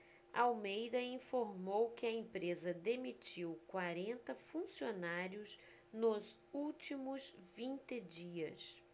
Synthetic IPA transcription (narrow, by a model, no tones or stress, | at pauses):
awmejd̪ɐĩfoɾmowkɪɐẽpɾezɐd̪emit͡ʃiwkwaɾẽnt̪ɐfũsionaɾjʊs | nʊzuwt͡ʃimʊzvĩnt̪ɪd͡ʒiɐ̰s